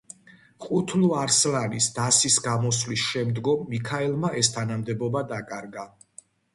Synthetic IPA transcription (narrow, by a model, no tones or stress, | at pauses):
qʼut̪ʰluaɾslanisd̪asisɡamɔslisʃɛmd̪ɡɔmːikʰaɛlˠmaʔɛst̪ʰanamd̪ɛbɔbad̪akʼaɾɡa